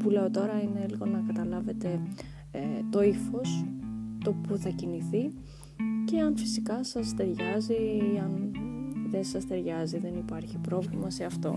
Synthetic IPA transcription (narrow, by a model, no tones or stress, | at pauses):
pule̞o̞t̪o̞ɾɐine̞liɣo̞nːɐkɐt̪ɐlɐve̞t̪e̞ | t̪o̞ifo̞st̪o̞puθɐciniθi | ce̞ɐnfisikɐsɐst̪e̞ɾʝɐziɐn | ðe̞nsɐst̪e̞ɾʝɐziðe̞nipɐɾçipɾo̞vlimɐse̞ɐft̪o̞̰